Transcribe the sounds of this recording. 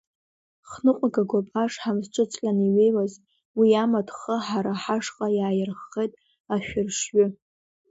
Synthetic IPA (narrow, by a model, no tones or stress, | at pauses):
χnɨqʷʼaɡaɡʷapʼaʂħamzʈ͡ʂʷʼɨt͡sʼkʲʼaniɥejwaz | wiamadχəħaɾaħaʂqʼajaːjɪrχːejtʼ | aʃᶣʊrʂɥʏ